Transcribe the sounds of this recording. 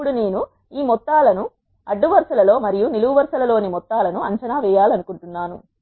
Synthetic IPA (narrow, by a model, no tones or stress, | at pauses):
uɽune̞ːnu | iːmɔt̪ːaːlɐnu | ɐɖːuʋɐɾsɐlɐlo̞ːmɐɾijuniluʋɐʋɐɾsɐlɐlo̞ːnimɔt̪ːaːlɐnuɐɲt͡ʃɐnaːʋɛːjaːlɐnukuɳʈunːaːnu